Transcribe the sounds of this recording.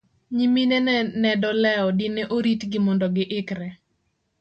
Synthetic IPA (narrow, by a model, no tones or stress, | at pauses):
ɲiminɛnɛdɔlɛɔdɪnɛʔoɾitɡɪmɔndɔɡɪʔɪkɾɛ